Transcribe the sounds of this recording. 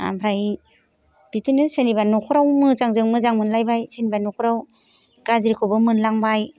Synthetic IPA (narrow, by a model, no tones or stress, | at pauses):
a̰mpʰɾaj | b̥itinɯsenibanːukʰɔɾawmɯzaŋzɯŋmɯzaŋmɯnlajbajsenibanːɔkʰɔɾaw | ɡ̥azɾikʰɔbɯmɯnlaŋbaj